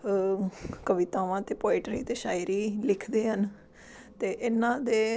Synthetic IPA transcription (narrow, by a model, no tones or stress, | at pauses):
kəʋɪt̪ãːʋãːt̪eːpoːɪʈɾḭːt̪eːʃaːɪɾiːlɪkʰd̪eːɦən | t̪eːʔɪnãːd̪eː